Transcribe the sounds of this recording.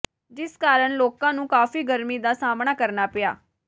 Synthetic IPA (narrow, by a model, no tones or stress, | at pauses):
d͡ʒɪskaːɾəɳloːkãːnũːkaːfiːɡəɾmiːd̪aːsaːmɳaːkəɾnaːpɪja̰ː